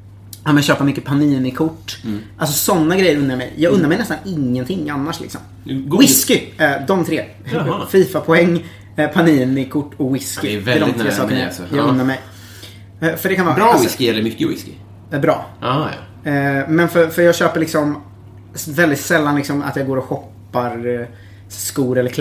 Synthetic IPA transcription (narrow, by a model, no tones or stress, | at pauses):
amɛjaɕøːpamʏkːəpʰaniːnɪkʰʊʈːʔals̬ɔsɔnːaɡɾɛjːəɾɵnːaɾmɛ̰jjɑːɡɵnːaɾmɛjnɛst̪anɪŋːənt̪ʰɪŋːanːaʂlɪ̰ksɔ̰m | wɪskɪd̪ɔmt̪ʰɾeː | fiːfapʰɔɛŋː | pʰaniːnɪkʰʊʈːɔwɪskɪvɛlɪd̪ɔɪmt̪eːsɑːkənajɑːɡɵnːaɾmɛj | fœɖɛkanvɑːwɪskɪɛlːəɾmʏkːəwɪ̰skɪ | bɾɑ̰ː | mɛnfœfœɾjɑːɡɕøːpəɭɪksɔm | vɛld̪ɪt̪sɛlːanlɪksɔma̰t̪jɑːɡoːɾɔɧɔpːaɾ | skuːɾɛlːəɾkʰl